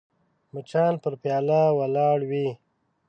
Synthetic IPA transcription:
mət͡ʃɑːnpəɾpjɑːlawalɑːɽwi

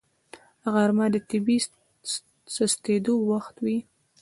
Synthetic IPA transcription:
ɣaɾmad̪ət̪ɪbi | sast̪ed̪owaxt̪wi

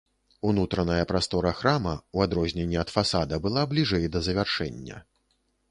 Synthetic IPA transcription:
unut̪ɾɐnɐjɐpɾast̪ɔɾɐxɾamɐuad̪ɾɔzʲnʲenʲːɛɐt̪fasad̪ɐbɨlˠablʲiʐɛjd̪ɐzɐvʲarʂɛ̰nʲːɐ̰

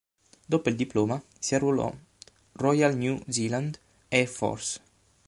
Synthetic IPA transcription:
d̪opoild̪iploːma | siarulɔ̰ | rɔjalnjuziland̪ | ɛfɔ̰rs

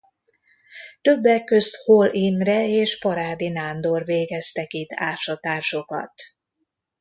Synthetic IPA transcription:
t̪ø̞bːɛkːøst̪holimrɛeːʃpɒɾaːd̪inaːnd̪orveːɡɛst̪ɛkit̪ʰːa̰ːʃɒt̪aːrʃo̞kɒ̰t̪

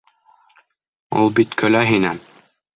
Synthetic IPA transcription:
ṵlˠbit̪kʰɵ̆læɦinæn

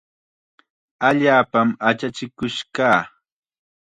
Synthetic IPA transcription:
aʎaːpamat͡ʃat͡ʃɪkʊʃkaː

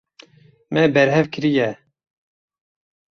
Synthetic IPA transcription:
mɛbɛɾhɛvkʰɨɾijɛ

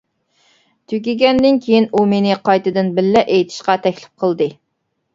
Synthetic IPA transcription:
t̪ʰøɡʲɪɡʲɛnd̪ɪnkʲʰejinumenɪqʰɑjt̪ɨd̪ɨnbɪlːɛʔejt̪ʰɪ̥ʃqɑt̪ʰɛkʲlɪ̥p̚qʰəlˠd̪ɨ

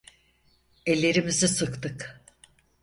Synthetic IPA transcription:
elʲːe̞ɾimizisɯkt̪ɯk

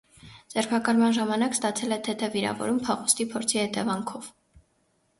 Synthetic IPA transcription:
d͡zɛɾpʰɑkɑɾmɑnʒɑmɑnɑkst̪ɑt͡sʰɛlɛt̪ʰɛt̪ʰɛviɾɑ̰vɔ̰ɾumpʰɑχust̪ipʰɔɾt͡sʰihɛt̪ɛvɑŋkʰɔv

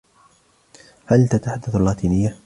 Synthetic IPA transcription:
halt̪at̪aħad̪ːaθalːaːt̪iːnɪjːa

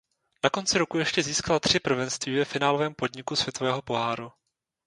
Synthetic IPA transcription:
nako̞nt͡sɪɾo̞kujɛʃcɛziːskalat̪r̥ɪpr̩vɛnst̪viːvɛfɪnaːlovɛːmpo̞dɲɪkusvjɛt̪o̞vɛːɦo̞po̞ɦaːɾu

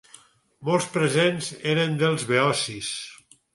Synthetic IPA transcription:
mɔlˠspɾezenzeɾend̪elˠzβeɔsis

